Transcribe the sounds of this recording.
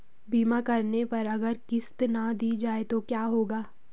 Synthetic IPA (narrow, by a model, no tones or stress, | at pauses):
biːmakɐɾnepɐɾɐɡəɾkɪst̪nad̪iːd͡ʒaːet̪okjaːɦoːɡaː